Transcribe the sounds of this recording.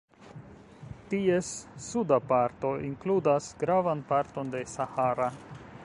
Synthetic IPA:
tiesːudapaɾto̞iŋkludasɡ̥ɾavanpaɾto̞nde̞sahaɾa

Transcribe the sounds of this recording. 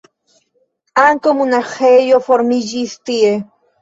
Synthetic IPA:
aŋkomunaχejofoɾmiʎist̪ie

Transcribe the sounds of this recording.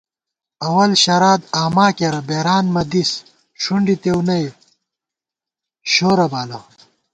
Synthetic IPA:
ɐwɐlɕɐɾaːd̪aːmaːkeɾɐbeːɾaːnmɐd̪is | ʂuɳɖit̪ewnɐj | ɕoːɾɐbaːlɐ

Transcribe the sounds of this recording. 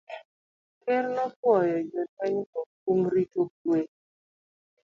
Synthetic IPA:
kernɔkwɔjɔd͡ʒɔtɛɲkɔk̚umɾitokwe

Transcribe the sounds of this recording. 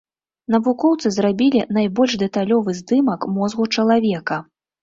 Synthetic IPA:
nɐvukɔwt̪sɨzrabʲilʲinajbɔlʲʐd̪ɛt̪alʲɔvɨzd̪ɨmɐkmɔzɣut͡ʂɐlˠavʲɛkɐ

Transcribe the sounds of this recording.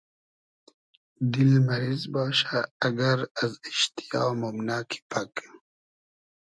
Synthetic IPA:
d̪ilmɐɾizbaɕaɐɡɐɾaziʃt̪ijaːwmomnaːkʰi̥pʰak

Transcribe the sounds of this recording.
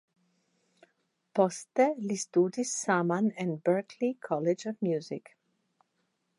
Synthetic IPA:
pɔst̪elist̪uːd̪isamãnɛ̃nbəɾkʰlikʰɔled͡ʒɔvmjuːzik

